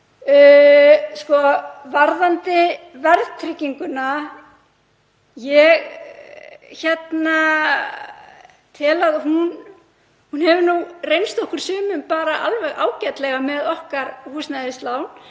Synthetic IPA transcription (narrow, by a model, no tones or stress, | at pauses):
ʏːskɔvaɾðant̪ɪvɛɾðt̪ʰɾɪcːiŋkʏna | jɛɣ | çɛt̪na | t̪ʰɪlaðhun | hunhɛvʏɾnurejnst̪ɔhkʏɾ̥sʏːmʏmpaːɾaʔa̰lvɛɣa̰ːwcɛt̪lɛɣamɛðɔhkaɾhuːsnaðɪst̪laːwn